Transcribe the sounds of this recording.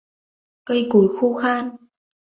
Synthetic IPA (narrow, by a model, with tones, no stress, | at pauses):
kə˧jku˨˦jxu˧xaː˧n